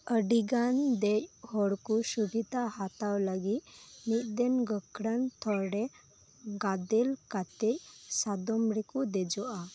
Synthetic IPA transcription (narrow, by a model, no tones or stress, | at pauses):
əɖiɡand̪ɛc̚hɔɽkusubʱit̪ahat̪awləɡit̪̚nit̪̚ˀd̪ɛnɡəkɽant̪ʰɔɾɖɛ | ɡad̪ɛlkat̪ɛcsad̪ɔmɾikud̪ɛd͡ʒɔʔa